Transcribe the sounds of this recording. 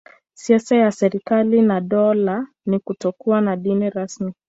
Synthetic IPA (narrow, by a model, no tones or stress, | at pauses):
siasajasɛɾikalinaɗɔla | nikutɔkuanaɗiniɾasmi